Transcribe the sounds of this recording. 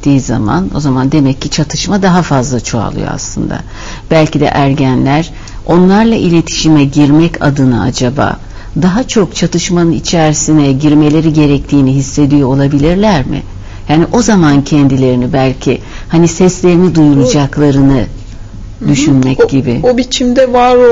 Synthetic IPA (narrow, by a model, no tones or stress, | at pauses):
t̪ːiːiza̰ma̰no̞̰zamand̪e̞mɛcːit͡ʃʰat̪ʰɯʃmad̪aɦafazlˠat͡ʃʰo̞a̰lˠɯ̰jo̰a̰slˠɯ̰nd̪a̰ | b̥ælʲcʰid̪ɛ̰ʔæɾɟænlʲæɾ̥ | o̞nlˠaɾlˠaʔilʲe̞t̪ʰi̥ʃimɛɟiɾmɛcʰa̰d̪ɯnɯ̰a̰d͡ʒaba̰ː | d̪aɦat͡ʃʰo̞kt͡ʃʰat̪ʰɯʃmanɯnit͡ʃʰæɾsinɛɟiɾme̞lʲe̞ɾiɟe̞ɾɛc̚t̪ʰiːniɦisːe̞d̪ijoolˠabilʲiɾlʲæɾmɪ̰ | jaːniʔo̞zamancʰɛnd̪ilʲe̞ɾinibælʲcʰi | hanisɛslʲe̞ɾinid̪ujuɾud͡ʒaklˠaɾɯnɯ | d̪yʃynmɛcɟibɪ̰obit͡ʃʰimd̪ɛvaɾ